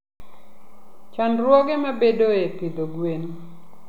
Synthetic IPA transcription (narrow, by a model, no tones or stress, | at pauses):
t͡ʃɔnrwɔɡemabedoepid̪oɡwen